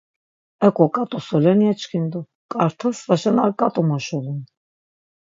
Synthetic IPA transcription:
ɛkʼɔkʼat̪ʼusɔlɛnjat͡ʃkʰind̪u | kʼaɾt̪ʰəsvaʃɛnakʼat̪ʼumɔʃɔlɛn

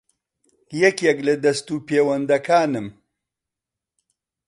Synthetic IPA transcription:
jɛkjɛklɐd̪ɐst̪uːpeːwɐnd̪ɐkaːnɨm

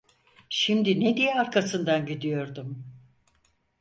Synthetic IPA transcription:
ʃimd̪ined̪ijɛaɾkʰasɯnd̪anɟid̪ijo̞ɾd̪um

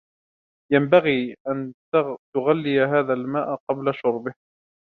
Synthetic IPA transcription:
jambaɣiːʔan | t̪ʊɣalːɪjaɦaːðalmaːʔqɑblaʃʊɾˤbɪh

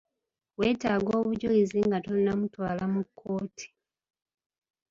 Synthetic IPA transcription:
we̞ːtaːɡo̞ːβuɟujiziŋɡatonːamutwaːlamukʰːo̞ːtʰi̥

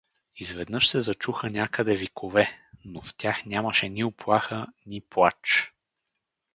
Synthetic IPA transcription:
izvɛd̪nɤʃsɛzɐt͡ʃuxənʲakəd̪ɛvikʰovɛnoft̪ʲaxnʲaməʃɛnioplˠaxənʲiplˠat͡ʃ

